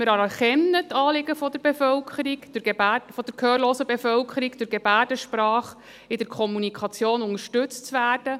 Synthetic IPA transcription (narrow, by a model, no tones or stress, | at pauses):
mɪɾɑɾɑχɛmnətɑːlɪɡəfɔd̥əɾbefœlkʰəɾiɡd̥ʊɾɡebæfɔd̥əɾkʰœːrloːsəbefœlkʰəɾiɡd̥ʊɾɡebæːɾdəʃpɾɑːχ | ɪdəɾkʰɔmunikʰɑt͡sjoːnʊŋəʃtʉt͡stt͡sʋæːrd̥ə